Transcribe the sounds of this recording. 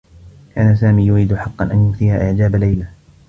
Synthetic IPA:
kʰaːnasaːmiːjʊɾiːd̪ʊħɑqːɑ̰nʔa̰njʊmθɪːhaːʔɪʕd͡ʒaːbalajla

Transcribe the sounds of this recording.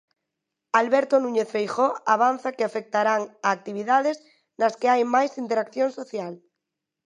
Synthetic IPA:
alβɛɾt̪onũɲeθfejxoaβ̞an̟θakeafek̚t̪aɾaŋaːk̚t̪iβ̞iðaðes | naskeajmajsint̪eɾakθjoŋsoθjal

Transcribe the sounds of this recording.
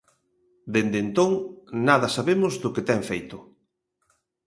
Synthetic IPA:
d̪end̪ent̪oŋnaðɐsaβemʊzðʊket̪ɛŋfejt̪ʊ

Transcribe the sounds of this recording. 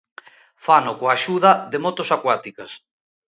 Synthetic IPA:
fanokoaʃuðɐðemot̪osakwat̪ikas

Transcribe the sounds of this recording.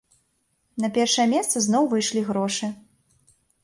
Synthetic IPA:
nɐpʲɛrʂɐjɐmʲɛst̪sɐznɔwvɨjʂlʲiɣɾɔʂɨ

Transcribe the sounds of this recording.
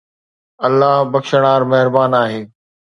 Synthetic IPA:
ɐlːaːɦbɐkʃəɽ̃aːɾmɐɦɪɾbaːnaːɦeː

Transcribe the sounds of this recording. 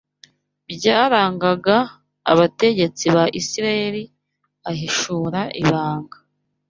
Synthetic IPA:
bɟaːɾaːŋɡaɡa̰ː | βate̞ɟe̞t͡siβaʔisiɾajeɾi | aɦiʃuːɾaʔiβaːŋɡḁ

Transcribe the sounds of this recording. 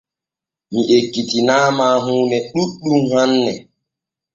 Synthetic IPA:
miʔekːitinaːmaːɦuːnɛɗuɗumhanːɛ

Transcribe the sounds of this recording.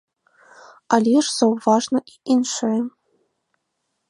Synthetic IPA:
ɑlʲiʂsowvɑʐnɤ̆inʲʂɘ

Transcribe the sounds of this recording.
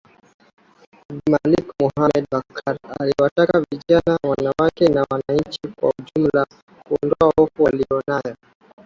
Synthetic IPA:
malikmuhamɛd̚bakʰaɾaliwatakaviʄanawanawakɛnawanaɲt͡ʃikwa̰uʄum̩la | kuɔndɔahɔfuwaliɔnajɔ

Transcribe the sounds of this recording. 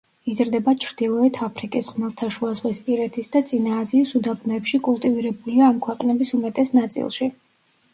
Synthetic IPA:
izɾd̪ɛbat͡ʃʰɾd̪ilˠɔɛt̪ʰapʰɾikʼisʁmɛvt̪ʰaʃuazʁwispʼiɾɛt̪ʰisd̪at̪sʼinaːziːsud̪abnɔɛpʃikʼulˠt̪ʼiviɾɛbuliaːmkʰwɛqʼnɛbisumɛt̪ʼɛsnat̪sʼḭlˠʃi

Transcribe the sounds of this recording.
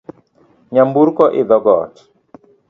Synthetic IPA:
ɲambuɾkɔʔɪðɔɡɔ̰t

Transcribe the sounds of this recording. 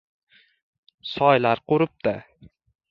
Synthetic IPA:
sɒjlaɾqoɾɪp̚d̪ɪ

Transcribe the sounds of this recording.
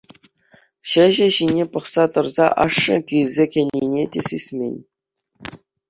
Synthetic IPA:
ɕɘ̆ʑɘ̆ɕinʲepɤ̆χsɑt̪ɤ̆rzɑ̰ʔɑʂːɤ̰̆kʲylzʲekʲĕnʲːenʲetʲesʲesʲmʲenʲ

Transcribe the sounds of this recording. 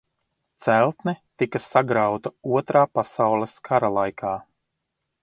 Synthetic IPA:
t̪sælˠt̪nɛt̪ikɐsaɡɾawt̪auɔt̪ɾaːpasawlˠeskʰaɾalˠajkʰaː

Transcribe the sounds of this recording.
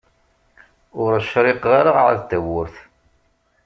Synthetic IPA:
ʊɾʃɾɪqːaɾaʁʕa̰ðt̪ːæwːʊɾθ

